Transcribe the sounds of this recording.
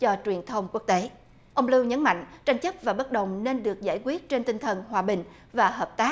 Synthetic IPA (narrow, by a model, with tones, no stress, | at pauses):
t͡ɕɔ˧t͡ɕwi˨˩ənt̪ʰə˧wŋ͡mku˦˥ək̚t̪e˨˦ | ʔə˧wŋ͡mlɨ˧wɲə˨˦nma̰˧˨jŋ̟t͡ɕa˧jŋ̟t͡ɕə˦˥p̚vaː˨˩ɓə˦˥t̚ɗə˨˩wŋ͡mne˧nɗɨ˨˩ək̚zaː˧˩jkwi˦˥ət̚t͡ɕe˧nt̪i˧ŋ̟t̪ʰə˨˩nhwaː˨˩ɓï˨˩ŋ̟ | vaː˨˩həː˨˩p̚t̪aː˦˥